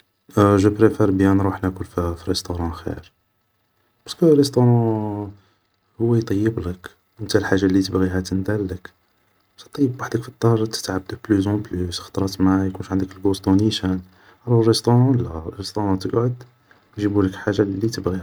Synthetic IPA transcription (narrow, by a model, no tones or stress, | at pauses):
ʒəpɾefeɾbjænɾˤuħnækulfifiɾəst̪oɾˤɑ̃xḭɾ | b̥ɑskərːəst̪oɾˤɑ̃ | hʊwːæjt̪ˤɑjːəblək | mət̪ælħaʒːalːit̪əbɣiɦæt̪ənd̪ælːək | sɑt̪ˤːɑjːəbwaħd̪əkfid̪ˤːɑɾˤɑʒɑt̪ə̥t̪ʕab̚d̪əblyzɑ̃blysxt̪ˤɾˤɑt̪maʕjkunʃʕənd̪əkəlɡost̪uniʃən | ɾˤurˤəst̪oɾˤɑ̃læɾəst̪oɾˤɑ̃t̪əɡʕʊd̪ | nʒibuləkħaʒːalːit̪əbɣihæ